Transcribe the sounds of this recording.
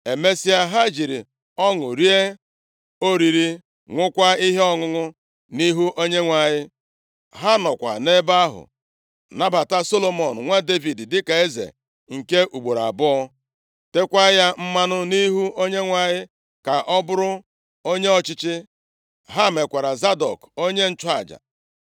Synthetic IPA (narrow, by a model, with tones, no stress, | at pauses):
e˨me˦si˦a˦ɦa˦d͡ʒi˨ɾḭ˨ | ɔ˦ŋʊ˨ɾi˦e˦ | o˦ɾi˨ɾi˦ | ŋʷʊ˦kʷa˦i˦ɦe˦ɔ˦ŋʊ˦ŋʊ˦ | ni˦ɦu˦ʔo˦ɲe˦ŋʷa˨ɲɪ˦ | ɦa˦nɔ˨kʷa̰˨ne˦ba˦ɦʊ̰˨ | na˦ba˨ta˦so˦lo˨mo˨n̩˨ŋʷa˦de˦vi˨ddɪ˦ka˨e˦zḛ˨ | ŋ̩˨ke˦ʔu˨ɡ͡bo˨ɾa̰˨bʊ˦ɔ˦ | te˦kʷa˦ja˦m̩˦ma˦nʊ˦ni˦ɦu˦o˦ɲe˦ŋʷa˨ɲɪ˦ | ka˨ʔɔ˦bʊ˦ɾʊ˦ | o˦ɲe˦ɔ˨t͡ʃɪ˦t͡ʃɪ˦ | ɦa˦˨me˨kʷa˨ɾa˨za˦dɔ̰˨ko˦ɲe˦n̩˦t͡ʃʊ˦a̰˨d͡ʒa̰˨